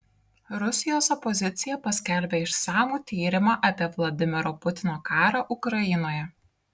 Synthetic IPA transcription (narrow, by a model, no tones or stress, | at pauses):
ɾʊsʲɪjoːsɔpɔzʲɪt̪sʲɪjɛpɐsʲkʲɛlʲbʲeɪʃsɑːmuːt̪ʲiːɾʲɪmɑːʔɐpʲiɛʋlˠɐd̪ʲɪmʲɪɾoːpʊt̪ʲɪnoːkɑːɾɑʔʊkɾɐjɪnoːjɛ